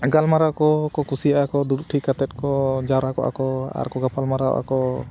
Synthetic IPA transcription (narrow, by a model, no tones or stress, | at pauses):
ɡalmaɾakɔkɔkusijaʔakɔd̪uɾʈʰikat̪ɛt̪̚kɔd͡ʒaɾakɔ̰ʔa̰kɔa̰ɾkɔɡapʰalmaɾaɔ̰ʔa̰kɔ